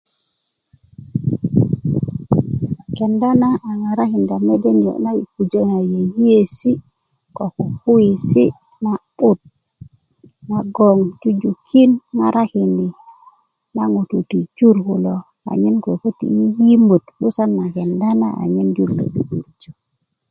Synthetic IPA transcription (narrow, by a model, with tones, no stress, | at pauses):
ke˨nda˦naː˦˨ŋa˨ɾa˦ki˨nda˨me˦de˦ɲo̰˨na˦ji˨ku˨d͡ʒo˦na˨je˨ji˦e˦si˦ | ko˨ku˨fu˦i˨si˦ | na˨ɓu˦t̚ | na˨ɡo˨ŋd͡ʒu˦d͡ʒu˨kʰi˦nŋa˨ɾʔa˦ki˨ni˨ | na˦ŋu˨tu˨ti˨d͡ʒu˦ɾhu˨lo˨ | a̰˨ɲi˦nko˨fu˦tḭ˨i˦ji˦mu˨tɓu˦sa˦nːa˨ke˨nda˦na̰˦ʔa̰˨ɲi˦nd͡ʒu˦llḛ˨ɗu˨ɗu˨ɾd͡ʒo˨